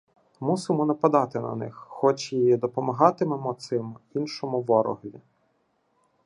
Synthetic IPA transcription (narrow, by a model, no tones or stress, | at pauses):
musɪmɔnɐpɐd̪ɑt̪ɪnɐ̰nɪ̰xːɔt͡ʃjiid̪ɔpɔmɐɦɑt̪ɪmemɔt̪sɪminʃɔmʊʋɔɾɔ̰ɦlʲi